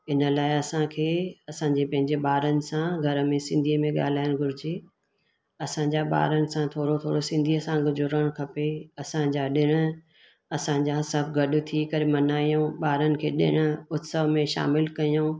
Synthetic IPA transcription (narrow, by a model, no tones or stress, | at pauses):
ɪnə̆laːɪɐsãkʰeːɐsãɲd͡ʑepɐ̃ɦɪ̃ɲd͡ʑeɓaːɾənɪ̆sãɡʱɐɾəmẽsɪ̃nd̪ʱiəmẽɠa̰ːl̤aːɪjʊnɡʱʊɾɪd͡ʑeː | ɐsãɲd͡ʑaɓa̰ːɾənɪ̆sãt̪ʰoːɽot̪ʰo̰ːɽosɪ̃nd̪ʱiəsãɡʊzʊɾəɽ̃kʰɐpeɐsãd͡ʑaːɗɪɽ̃̆ | ɐsãd͡ʑaɦsɐbɡɐɗʊ̆t̪ʰikɐɾemɐnaːijõɓaːɾənɪ̆kʰeːɗɪ̰ɽ̃ə̆ʊt̪səʋmẽʃa̰ːmɪlkɐijõː